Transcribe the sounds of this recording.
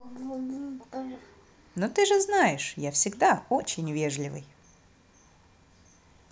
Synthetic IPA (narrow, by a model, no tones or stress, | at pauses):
not̪ɨʐɨznajɪʂjafsʲɪɡd̪aot͡ɕɪnʲvʲeʐlʲɪvɨ̰j